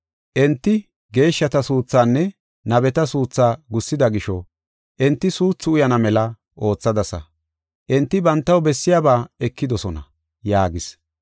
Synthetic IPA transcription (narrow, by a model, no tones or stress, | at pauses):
ʔɛnt̪ːɪ | ɡe̞ːʃːɐt̪ɐsuːt͡sːaːnːɛ | nɐbɛt̪ɐsuːt͡sːaːɡʊsːɪd̪ɐɡɪʃɔ | ʔɛnt̪ːɪsuːt͡sːʊʊjɐnɐmɛlɐ | ʔo̞ːt͡sːɐd̪ɐsɐ̰ | ʔɛnt̪ːɪbɐnt̪ːɐwbɛsːɪjaːbaːɛkːɪd̪ɔsɔnɐ̰ | jaːɡɪs